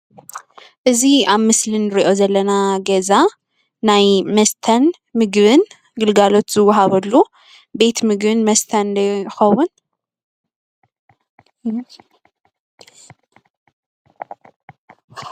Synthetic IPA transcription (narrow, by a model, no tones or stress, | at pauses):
ʔɨziaβmɨslinːɨɾiʔo̞zɐlːɐnaɡɐza | najmɐst̪ʰɐn | mɨɡβɨn | ɡɨlɡalo̞t̪z̥ɨwːʊɦaβɐlːu | be̞t̪mɨɡβɨnmɐst̪ʰɐnd̪ɐjxɐwːun